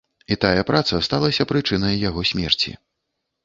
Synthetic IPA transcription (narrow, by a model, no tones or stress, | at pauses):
it̪ajɐpɾʔat̪sɐst̪alˠɐsʲɐpɾɨt͡ʂɨnɐjːaɣɔsʲmʲɛrt͡sʲḭ